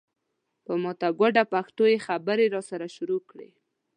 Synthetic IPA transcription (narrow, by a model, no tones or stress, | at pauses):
pəmɔt̪aɡwaɖapaxt̪ojexabəɾeɾɑsaɾaʃʊɾokɽḛ